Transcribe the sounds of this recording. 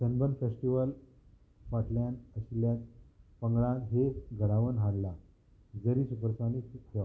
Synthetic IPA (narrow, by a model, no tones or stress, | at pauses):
sənbənfesʈiʋəl | faʈljanəɕljat̪pəŋɡɭãt̪ɦeɡʱəɽaʋənɦaɽla | d͡zəɾiːsupəɾsanit̪hea